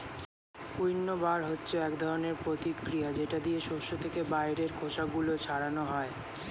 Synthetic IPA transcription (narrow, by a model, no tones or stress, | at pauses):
kujnːobaɾɦotːɕʰoɛkd̪ʱɔɾoneɾpɾot̪ikɾijad͡ʑeʈad̪ieʃoʃot̪ʰekebajɾeɾkʰoʃaɡulot͡ɕʰaɽanoɦɔe